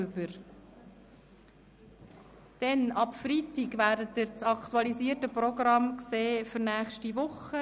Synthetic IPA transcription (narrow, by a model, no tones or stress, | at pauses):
ʏbəɾ | d̥ɛnɑpfɾitiɡʋæːdət̪ːɪɾt͡sɑkt̪uɑliziːətəprɔɡɾɑmkseːfʏɾnæːχʃtiʋʊχə